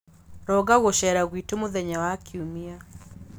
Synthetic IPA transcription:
ɾɔɣaɣoʃɛɾaɣwitomoðɛɲawakʰiumia

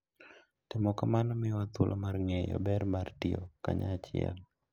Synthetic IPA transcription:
tɛmɔkamanɔmɛwat̪ulʔamarŋɛjɔ̰bɛɾmartiɔ̰ka̰ɲa̰ːt͡ʃɪɛ̰l

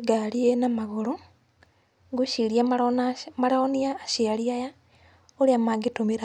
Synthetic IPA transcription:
ɡaɾienamaɣoɾo | ɡuʃiɾiamanmaɾaoniaːʃiaɾiaja | oɾeamaɡitomiɾa

